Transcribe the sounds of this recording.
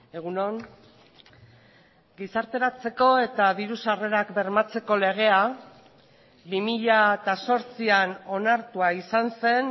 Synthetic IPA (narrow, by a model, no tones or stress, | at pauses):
e̞ɣ̞uno̞ŋ | ɡisaɾt̪e̞ɾat͡se̞ko̞e̞t̪aβiɾusare̞ɾakbe̞ɾmat͡se̞ko̞le̞ɣ̞e̞a | bimiʎaet̪aso̞ɾt͡siano̞naɾt̪uaisanse̞n